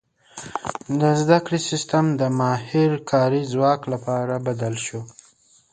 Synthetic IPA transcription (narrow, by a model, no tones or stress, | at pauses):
d̪əzd̪akɽisɪst̪amd̪əmɑhɪɾkʰɑɾizwɑklapɑɾabad̪alʃo